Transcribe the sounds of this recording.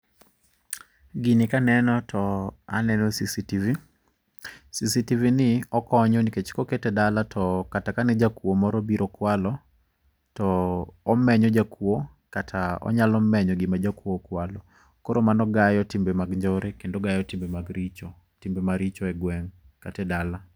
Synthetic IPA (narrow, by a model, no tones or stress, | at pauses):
ɡinɪkanɛnɔtʰɔa̰nɛnɔsisitivi | sisitivinɪɔkɔɲɔniket͡ʃkoketedalatʰɔkatakanɛd͡ʒakwomɔɾɔbiɾɔkwalɔ | tɔːmɛɲɔd͡ʒakwo | katʰaɔ̰ɲalɔmɛɲɔɡɪmad͡ʒakwokwalɔ | koɾomanɔɡajɔtimbemaɡɲd͡ʒɔɾekendoɡajɔtimbemaɡɾit͡ʃɔ | timbemaɾit͡ʃɔɛɡwɛŋ | katɛdala